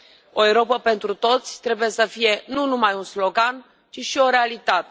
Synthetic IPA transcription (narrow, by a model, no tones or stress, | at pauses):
o̞ewɾo̞pəpe̞nt̪ɾut̪o̞t̪sʲt̪ɾe̞buje̞səfije̞nunumajunslo̞ɡan | t͡ʃiʃio̞ɾe̞alit̪at̪e